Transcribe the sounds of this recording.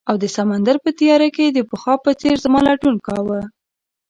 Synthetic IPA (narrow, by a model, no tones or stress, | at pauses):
awd̪əsamand̪aɾpət̪ijɑɾaked̪əpəxɑpət͡seɾzamɑlɑʈunkɑwə